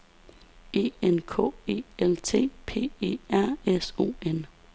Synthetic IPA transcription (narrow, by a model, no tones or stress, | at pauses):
e̝̰ːenkʰɔ̰ːe̝̰ːelt͡sʰe̝̰ːpʰe̝̰ːe̝̰ːæɐ̰eso̝̰ːen